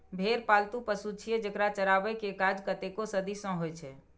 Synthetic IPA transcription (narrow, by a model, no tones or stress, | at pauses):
bʱeɾpalt̪upəsut͡ʃʰied͡ʒəkɾat͡ʃəɾabɛkekad͡ʒkət̪ekosəd̪isɔ̃ɦojt͡ʃʰɛ